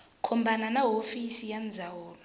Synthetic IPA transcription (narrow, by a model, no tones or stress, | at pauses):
kʰɔmbananaɦofisijand͡zʱawɔːla